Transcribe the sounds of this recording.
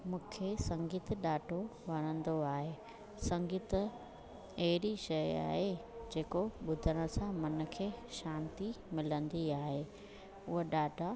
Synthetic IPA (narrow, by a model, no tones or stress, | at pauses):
mũːkʰesɐ̃ŋɡiːt̪ɗaːʈʰoʋɐɽ̃ə̃nd̪oaːɦeː | sɐ̃ŋɡiːt̪̆ | ɐɦɪɾiʃɐja̰ːɦed͡ʑeːkoɓʊd̪ʱəɽ̃ə̆sãmɐnə̆kʰeːʃãːnt̪i | mɪlə̃nd̪iaːɦeː | ʊɦəɗaːʈa